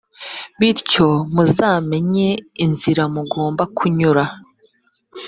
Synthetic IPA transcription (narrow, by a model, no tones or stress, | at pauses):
βiɾco̞muzaːme̞ɲeinziɾamuɡoːmbakʰuɲuɾa